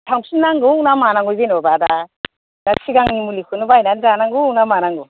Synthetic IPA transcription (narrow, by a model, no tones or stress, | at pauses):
tʰawmsinaŋɡunamanaŋɡujbenɔbada | dasiɡaŋnimulikʰunubajnanzanaŋɡunamanaŋɡu